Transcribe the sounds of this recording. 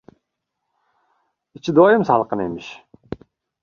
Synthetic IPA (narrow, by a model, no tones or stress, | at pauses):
it͡ʃid̪ojimsɑlˠqənemiʃ